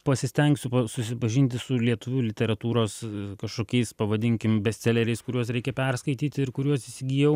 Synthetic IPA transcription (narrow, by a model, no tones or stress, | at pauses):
pɐsʲɪsʲt̪ʲɛŋksʲʊpɐsʊsʲɪpɐʒʲɪnʲt̪ʲɪsʊlʲiɛt̪ʊʋʲuːlʲɪt̪ʲɛɾɐt̪uːɾoːskɐʃkoːkʲɛɪspɐʋɐd̪ʲɪŋʲkʲɪmbʲɛsʲsʲɛlʲɛɾʲɛɪskʊɾʲuɔsɾʲɛɪkʲɛpʲɛrskɐɪt̪ʲiːt̪ʲɪɾkʊɾʲuɔsɪsʲɪɡʲiːjɛʊ